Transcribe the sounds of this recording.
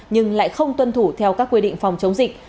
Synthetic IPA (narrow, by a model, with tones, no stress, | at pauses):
ɲɨ˧ŋla̰ː˧˨jxə˧wŋ͡mt̪wə˧nt̪ʰu˧˩t̪ʰɛ˧wkaː˦˥kːwi˧ɗḭ̈˧˨ŋ̟fa˨˩wŋ͡mt͡ɕə˨˦wŋ͡mzï˨˩k̟̚